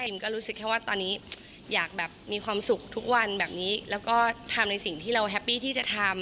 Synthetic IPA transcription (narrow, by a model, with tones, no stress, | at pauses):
mkɔː˥˩ɾuː˦˥sɯ˨kʰːɛː˥˩waː˥˩t̪ɔː˧nːiː˦˥ | jaː˨˩k̚bɛː˨˩pp̚miː˧kʰwaː˧msu˨˩k̚t̪ʰu˦˥k̚wa˧nbɛː˨˩p̚niː˦˥lɛː˦˥wkɔː˥˩t̪ʰa˧mna˧jsi˨˩ŋt̪ʰiː˥˩ɾa˧wɦɛ˦˥pːiː˥˩t̪ʰiː˥˩t͡ɕa˨˩t̪ʰa˧m